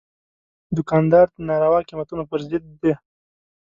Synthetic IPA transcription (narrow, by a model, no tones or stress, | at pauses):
d̪ʊkɑnd̪ɑɾd̪ənɑɾawɑqimat̪unapəɾzɪd̪ːe